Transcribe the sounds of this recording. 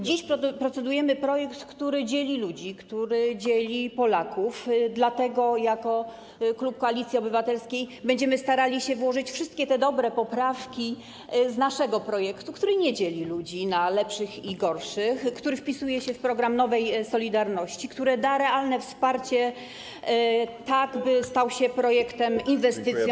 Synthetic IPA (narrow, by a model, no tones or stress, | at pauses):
d͡ʑiɕppɾɔt̪sɛd̪ujɛmɘpɾɔjɛkt̪kt̪uɾɘd͡ʑelʲilud͡ʑikt̪uɾɘd͡ʑelʲipɔlakufd̪lat̪ɛɡɔjakɔ | klup̚kɔalʲit̪sʲjiɔbɘvat̪ɛlskʲejbɛɲd͡ʑɛmɘst̪aɾalʲiɕɛvwɔʐɘt͡ɕfʂɘst̪kʲɛt̪ɛd̪ɔbɾɛpɔpɾafkʲi | znaʂɛɡɔpɾɔjɛkt̪ukt̪uɾɘɲɛd͡ʑelʲilud͡ʑinalɛpʂɘxiɡɔɾʂɘxkt̪uɾɘfpʲisujɛɕɛfpɾɔɡɾamnɔvɛjsɔlʲid̪aɾnɔɕt͡ɕikt̪uɾɛd̪aɾɛalnɛfspaɾt͡ɕɛ | t̪aɡbɘst̪awɕɛpɾɔjɛkt̪ɛminvɛst̪ɘt̪sj